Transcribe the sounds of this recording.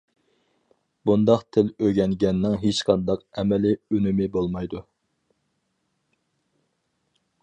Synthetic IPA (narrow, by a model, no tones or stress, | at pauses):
bund̪ɑqt̪ʰɪløɡʲɛŋɡʲɛnːɪŋɦet͡ʃqʰɑnd̪ɑqɛmɛlɪynymɪbolˠmɑjd̪u